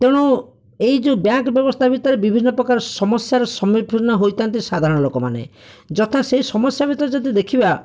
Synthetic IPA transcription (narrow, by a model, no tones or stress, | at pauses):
t̪ewɽ̃u | ejd͡ʒũbjaŋkbjɔbɔst̪ʰabit̪ɔɾebibʱinːɔpɾɔkaɾɔsɔmɔsjaɾɔsɔmib̚bʱiɾɔnɔɦojt̪ant̪isad̪ʱaɾɔɽ̃ɔlokɔma̰nḛ | d͡ʒɔt̪ʰasejsɔmɔsjabʱit̪ɔɾed͡ʒɔd̪id̪ekʰiba